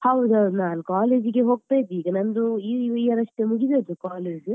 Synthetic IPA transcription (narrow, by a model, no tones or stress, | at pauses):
hɐwd̪ɐwd̪naːnukaːleːd͡ʒɡeɦo̞ːɡ̚t̪aːjd̪iːɡɐnɐnd̪uiʋiːʋɐɾɐʂʈemuɡid̪eːd̪ukaːleːd͡ʒu